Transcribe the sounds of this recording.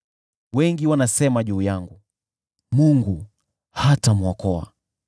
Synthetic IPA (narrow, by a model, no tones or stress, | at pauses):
wɛŋɡiwanasɛmaʄuːjaŋɡu | muŋɡu | hatamwakɔa̰